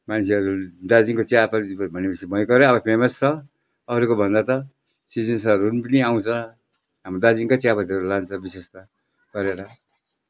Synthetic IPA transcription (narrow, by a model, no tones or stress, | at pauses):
mansʰiɦʌɾud̪ad͡zinkot͡sjapʌbʱʌnemsʰibʌjkʌɾʌːbʌpʰemʌst͡sʰʌ | ʌɾukobʱʌnd̪at̪ʌ | sid͡zensʌɾunpʌniaw̃t͡sʰʌ̃ | ɦamrod̪ad͡ziŋkot͡sjapʌt̪iɦʌɾulant͡sʰʌbisest̪ʌ | ɡ̥ʌɾeɾʌ